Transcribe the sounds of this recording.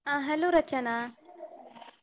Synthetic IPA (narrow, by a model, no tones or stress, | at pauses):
ãːɦɐloːɾɐt͡ʃənãː